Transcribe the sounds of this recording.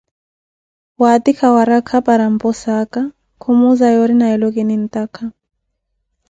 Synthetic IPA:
wat̪ikʰawaɾakʰapaɾam̩pɔsaka | kʰumuzajɔɾinaɛlɔkɛnin̩t̪ʼakʰa

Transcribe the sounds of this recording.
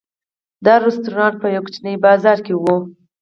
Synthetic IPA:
d̪ɑɾʊst̪uɾɑnʈ̪̚pəjawkt͡ʃnəjbɑzɑɾkewu

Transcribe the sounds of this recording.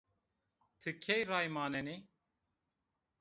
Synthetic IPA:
t̪ʰɨkʰejraːjmaːnɛne

